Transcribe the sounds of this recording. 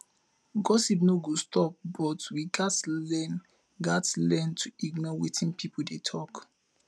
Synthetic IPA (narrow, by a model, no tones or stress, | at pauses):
ɡɔsipnoɡostʰɔp̚bɔtwiɡatlɛn | ɡatlɛ̃ntʰuiɡnɔwetʰĩnpʰipɔl̩detʰɔk